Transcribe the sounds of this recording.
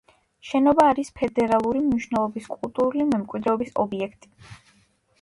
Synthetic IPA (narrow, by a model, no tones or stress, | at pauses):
ʃɛnɔbaːɾispʰɛd̪ɛɾalˠuɾimniʃnɛlˠɔbiskʼulˠt̪ʼuɾulimɛmkʼwid̪ɾɛɔbisɔ̰biɛkʰt̪ʼi̥